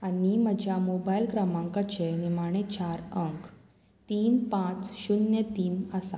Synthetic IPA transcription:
animəd͡ʑʱjamobajilkɾamãŋkat͡ɕenimaɽ̃et͡ɕaɾəŋk | t̪iːnpãt͡sɕunjət̪iːnəsa

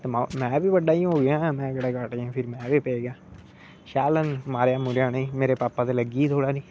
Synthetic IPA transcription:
t̪eːmamɛ̃ːʋiːʋəɖaːĩɦoːɡɪãːmɛ̃ːkeɽaːkaːʈːãːpʰɪɾmɛ̃ːʋiːpeːɡɪjãː | ʃaːlənmaːɾjaːmuɾjãːnẽiːmeːɾeːpaːpːãːt̪eːləɡiːt̪ʰoːɽaːniː

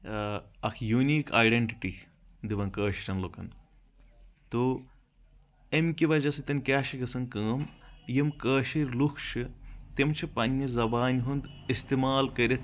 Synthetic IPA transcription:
ɐkʰjuniːka̰ːjɖeɳʈiʈi | d̪iʋɐnkəːʃiɾʲɐnlokɐn | t̪o | emʲkiʋɐd͡ʒɐsit̪ɐnkʲaːʃiɡɐsɐnkɐːɐmjimkəːʃiɾʲlukʰʃɨt̪emt͡ʃʰipɐnʲːɐzɐbaːnʲɦund̪ist̪imaːlkɐɾʲet̪

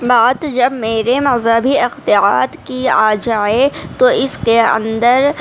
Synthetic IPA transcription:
baːt̪d͡ʒɐbmeːɾemɐzəbʱiɪxt̪ɪaːt̪kiaːd͡ʒaːet̪oɪskeɐ̰̃nd̪əɾ

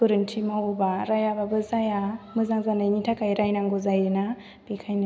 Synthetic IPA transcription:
ɯɾɯntʰimawubaɾajababɯzajamɯzaŋzanajnitʰakajɾajnaŋɡuzajɯna | b̥ikʰajn

